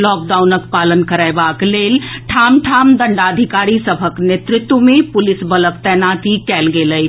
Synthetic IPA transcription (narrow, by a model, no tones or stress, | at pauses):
lɔːk̚ɖaunəkpalənkəɾaebaklelʈʰamʈʰamd̪əɳɖad̪ʱikaɾisəbʱəknet̪ɾɪt̪wəmepʊlisbələk̚t̪ɛnat̪ikɛlɡeləj